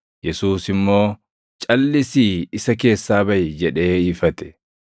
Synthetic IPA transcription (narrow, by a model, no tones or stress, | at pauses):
jɛsuːsɪmːo̞ː | t͡ʃʼɐlːɪsiːɪsɐke̞ːsːaːbɐjɛd͡ʒɛᶑe̞ːɪfɐt̪ɛ̥